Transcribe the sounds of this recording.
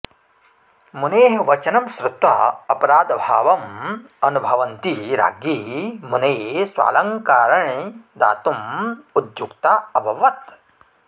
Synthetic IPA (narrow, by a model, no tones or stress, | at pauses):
muneːɦɐʋɐt͡ʃɐnɐmʃɾut̪ʋa̰ɐpɐɾaːd̪bʱa̰ːʋɐm | ɐnubʱɐʋɐnt̪iɾa̰ːɡimunejɦsʋa̰ːlɐŋkaːɾɐɳed̪a̰ːt̪umud̪jukt̪aɐbʱɐʋɐt̪